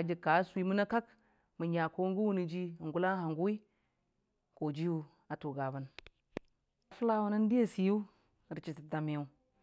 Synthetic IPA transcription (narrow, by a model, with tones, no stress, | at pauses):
a˨d͡ʒi˨kːa˨˦sʷi˦mu˦na˦ka˦k | mə˨ɲa˨ko˦ŋ˦ɡu˦wu˦ni˨d͡ʒi˦˨ŋɡu˦la˦ha˨ŋɡu˦wi˦ | ko˨d͡ʒi˦wu˦ | a˨tu˨ɡa˨ba˦n | a˨fu˦la˦wu˦na˦n˦di˦ja˦si˨ju˦˨ | ɾi˨t͡ʃi˨ti˨da˨mi˨u˨˦